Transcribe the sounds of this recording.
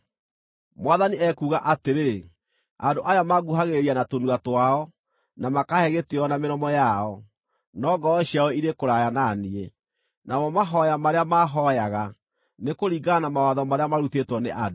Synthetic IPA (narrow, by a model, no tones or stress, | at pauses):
mwaðaniɛkuːɣaʔateɾe | adoʔajamaɣuɦaɣeɾianatonuatwaɔ | namakahɛɣeteɔnameɾɔmɔjaɔ | nɔːɡɔɔɕiaɔiɾekoɾajananie | namɔmaɦɔjamaɾeamaɦɔjaɣa | nekoɾiɡanamawaðɔmaɾeamaɾutetwɔneʔado